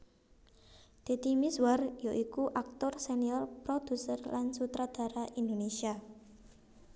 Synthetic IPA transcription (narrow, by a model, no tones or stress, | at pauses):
d̪̥e̤t̪imiswarjoʔikuʔak̚t̪ʊrseniɔrpɾod̪̥ṳsərlansut̪ɾad̪̥a̤ɾaʔind̪onesia